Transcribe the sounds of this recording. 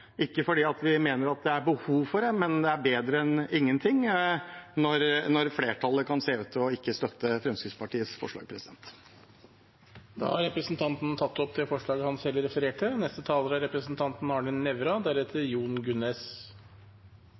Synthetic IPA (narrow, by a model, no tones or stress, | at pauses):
ɪkːəfɔɖiːɑt̪ʋɪmeːnəɾɑt̪̚d̪ɛæɾbəhuːʋfɔɖɛmɛnd̪ɛæɾbeːd̪ɾəɛnɪŋːənt̪ʰɪŋ | nɔɾnɔɾfleːʈʰɑləkʰɑnseːʉt̪ʰːɪɔɪkːəst̪œt̪ːəfɾɛmskɾɪt̪spʰɑʈiːəsfɔ̰ʂɭɑ̰ːɡpʰɾɛsɪd̪ɛ̰nt̪ | d̪ɑ̰ːhɑɾɛpɾəsnt̪ʰɑnt̪n̩t̪ʰɑt̪ːɔpd̪ɛfɔʂɭɑːɡəhɑnshɛlːɾɛfəɾeːʈənɛst̪ət̪ʰɑːləɾæɾɛpɾəsnt̪ʰɑnt̪n̩ɑɳɪnːɛʋɾɑd̪æɾɛt̪ʰːəjuːnɡʉnɛs